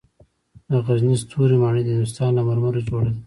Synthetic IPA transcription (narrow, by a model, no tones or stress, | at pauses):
d̪əɣaznist̪ʰuɾimɑɳəd̪əɪnd̪ʊs̬t̪ɑːnlamaɾmaɾod͡ʒoɽad̪i